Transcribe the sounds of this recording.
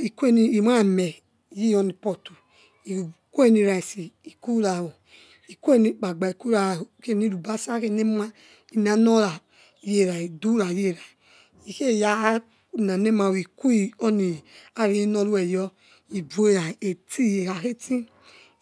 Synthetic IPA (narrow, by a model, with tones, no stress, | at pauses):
i˨ku˦e˦ni˧i˨m˦a˦˨mɛ˨ | ji˦ɔ˧ni˨pɔ˧tu˨ | i˨ku˦e˦ni˧ɾa˨i˨si˨i˨ku˦ɾa˨wo˨ | i˨ku˦e˦ni˦k͡pa˨ɡ͡ba˨i˨ku˦a˨o˨ke˦˨ni˦ɾu˨ba˦sa˦ke˦˨ne˦m˦a˦ | i˨n˨a˨nɔ˦ɾa˨ | je˦˨ɾa˨i˨du˦ɾa˨je˦˨ɾa˨ | i˨ke˦˨ja˦˨ | na˨ne˦ma˧˨wi˨ku˦i˨ɔ˦ni˨a˦ɾi˨i˦nɔ˧ɾu˦ɛ˨jɔ˧ | i˨bu˨˦e˦ɾa˨e˨ti˦˨je˨ɾa˨ke˦ti˦